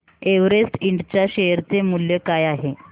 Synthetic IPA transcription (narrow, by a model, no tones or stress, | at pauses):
eʋɾesʈiɳɖt͡ɕjaɕeɦəɾt͡semuljekajaɦe